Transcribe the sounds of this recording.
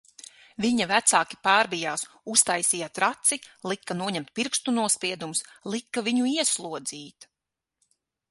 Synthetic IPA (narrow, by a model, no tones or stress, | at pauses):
viɲavæt̪saːki̥paːɾbijaːs | ust̪ajsijat̪ɾat̪silˠikːanuɔɲɛmt̪̚piɾkst̪unuɔspiɛd̪umuslˠikːaviɲuiɛslˠuɔd̪ziːt̪